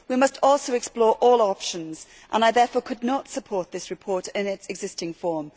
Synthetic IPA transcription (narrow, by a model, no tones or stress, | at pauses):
wimʌstʰɔˑlˠsoʊɛksplɔːɹʔɔːlˠɒpʃə̃nz̥ | ʔə̰̃naɪðɛfɔːɹkʰʊdⁿnətsəpʰɔɹʔ̪̚ðɪsɹɪpʰɔɹtɪ̃nɪtsɛɡzɪstɪ̃ŋfɔːm